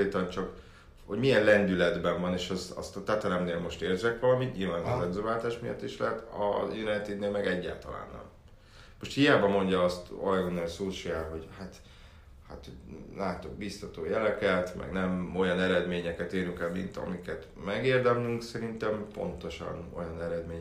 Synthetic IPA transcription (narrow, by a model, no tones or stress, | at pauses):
eːt̪ɒnt͡ʃɒk | hoɟmijɛnlɛnd̪ylɛd̪bɛɱvɒneːʃɛzɒ̰st̪ɒt̪ɛt̪ɛɾɛmneːlmo̞ʃt̪eːrzɛkʋɒlɒmit̪ɲilvaːnɒzɛnzøːvaːlt̪aːʃmijɒ̰t̪ːiʃlɛɦɛt̪ɒ̰jynɛnt̪iːt̪neːlmɛɡɛɟːa̰ːlt̪ɒla̰ːnːɛ̰m | mo̞ʃt̪hijaːbɒmo̞ɲɟɒɒst̪o̰lɛɡonelsoːʃiaːlɦo̞ɟhat̪ | hat̪holaːt̪oɡ̚bist̪ɒt̪o̰ːjɛlɛkɛt̪mɛ̰ɡnɛmo̞jɒnɛɾɛd̪meːɲɛkɛt̪eːɾyŋkɛlmḭnt̪ɒ̰mikɛt̪ | mɛɡeːrd̪ɛmlyŋksɛɾint̪ɛmpo̞̰nt̪o̞ʃɒ̰no̞̰jɒnɛɾɛd̪meːɲ